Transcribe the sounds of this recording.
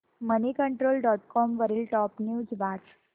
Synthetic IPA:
mənikəɳʈɾoːlɖɔʈkɔmʋəɾiːlʈɔpnjuːd͡zʋaʈ

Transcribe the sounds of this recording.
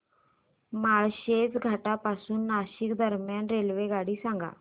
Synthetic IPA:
maɭɕed͡zɡʱaʈapasuːnːaɕikd̪ʱəɾmjanɾelʋeɡaɽiːsãŋɡa̰

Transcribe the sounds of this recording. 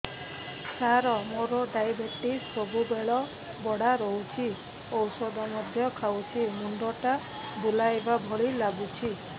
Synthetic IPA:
saɾɔmoɾɔɖajbeʈisɔbubeɭɔ | bɔɽ̤aɾɔɦut͡ʃʰi | ɔwsɔd̪ɔmɔd̪ʱjɔkʰawt͡ʃʰimuɳɖɔʈa | bulajbabʱɔɭilaɡut͡ʃʰi

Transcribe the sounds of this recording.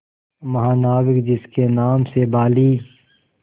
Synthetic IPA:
mɐɦaːnaːwɪkd͡ʒɪskenaːmsebaːliː

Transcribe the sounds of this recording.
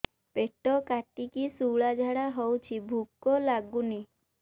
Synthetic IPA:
peʈɔkaʈːikisuwɭad͡ʒʱaɽaɦɔwt͡ʃʰibʱukːɔlaɡuni

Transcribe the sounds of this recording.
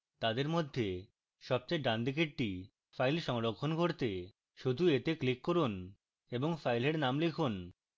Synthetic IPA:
t̪ad̪eɾmod̪ʱːe | ʃɔb̚t͡ɕajɖand̪ik̬eʈ̚ʈi | fajlʃɔŋɾokʰːonɡʱoɾt̪e | ʃud̪ʱuet̪eklikːoɾun | eboŋfajleɾnamlikʰun

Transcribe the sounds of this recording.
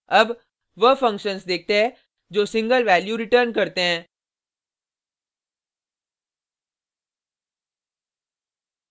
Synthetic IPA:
əb | ʋəfə̃ŋkʃənsd̪eːk̚ʰt̪eɦɛ̃ | d͡ʑoːsɪ̃ŋɡəlʋæːljuɾɪʈəɾnkəɾt̪eɦɛ̃ː

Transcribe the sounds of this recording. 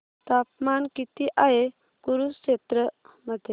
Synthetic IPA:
t̪apmankit̪iʔaɦe | kuɾusket̪ɾə | məd̪ʱːje

